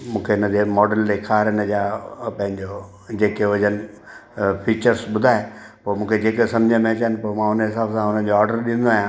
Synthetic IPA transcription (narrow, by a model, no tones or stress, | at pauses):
mũːkʰeɪnəd͡ʑemɔːɖəld̪ekʰaːɾɪnəd͡ʑaːpɐ̃ɦɪ̃ɲd͡ʑo | d͡ʑeːkeʊd͡ʑənɪ | pʰiːt͡ɕəɾsɓʊd̪ʱaːẽpoːmũːkʰed͡ʑeːkesɐmd͡ʑʱãmẽt͡ɕənɪpoːmãːʊnɦɪsaːbsãʊn̤ə̃d͡ʑoɔːɾɖəɾɗɪ̃nd̪oaːɦjãː